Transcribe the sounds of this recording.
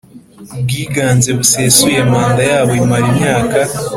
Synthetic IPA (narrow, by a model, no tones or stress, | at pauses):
bɡiːɡaːnzeβuseːsujemaːnd̪ajaːβomaɾimɲaːka